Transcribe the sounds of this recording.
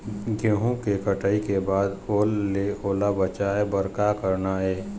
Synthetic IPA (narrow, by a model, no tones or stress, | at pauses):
ɡeɦũkekəʈəikebaːd̪oːlːeoːlabət͡ʃaːebəɾkakəɾnaɛː